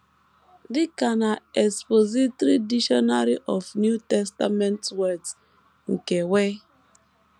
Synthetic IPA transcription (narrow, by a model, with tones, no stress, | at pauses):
dɪ˦ka˨na˨e˨spo˨zi˦tɾi˦di˦ʃɔ˦na˦ɾi˦ʔɔ˨fnju˦tɛ˦sta˦me˦ntwɛ˦ds | ŋ̩˨ke˨we˦